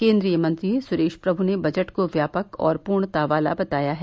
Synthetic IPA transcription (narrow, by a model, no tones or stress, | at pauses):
kẽːnd̪ɾijəmɐ̃nt̪ɾiesʊɾeːʃpɾɐbʱunebɐd͡ʒəʈkoʋjaːpəkɔ̰ːɾpuːɾɳ̃t̪aːʋaːla̰bɐt̪aːjaɦɛ